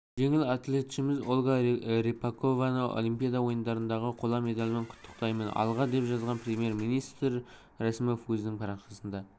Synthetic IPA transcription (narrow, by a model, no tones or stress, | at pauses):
ʒe̞ŋɪlat̪le̞t̪ʃɪmɪzolˠɡaɾepako̞vanəo̰lˠimpʲijad̪ɑwo̞jənd̪ɑɾənd̪ɑʁəqʰolˠɑme̞d̪alʲmɪɴqʰʊ̥t̪ʰːə̥qt̪ɑjmənɑ̰lˠʁɑd̪e̞pʒɑzʁɑnprʲemʲije̞ɾminijst̪ɾ | ɾæsmofwɵznɪŋpʰɑɾɑqʃɑsənd̪ɑ